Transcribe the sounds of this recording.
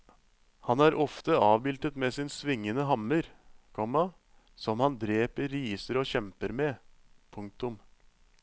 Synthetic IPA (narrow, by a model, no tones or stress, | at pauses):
hɑnæːɾʔɔft̪əɑːʋbɪlt̪ət̪meːsɪːnsʋɪŋːənəɦɑməɾkʰɔmɑ | sɔmhɑnd̪ɾeːpəɾiːsəɾoːçɛmpəɾmɛpʰʊŋk̚t̪ʊm